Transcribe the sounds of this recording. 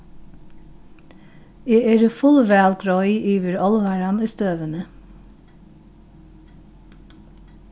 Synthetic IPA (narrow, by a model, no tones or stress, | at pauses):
eːʔeɾəfʊlʋæːlɡɾɔʏʔiːʋəɾɔlʋɑɹɑniːst̪øːʋənə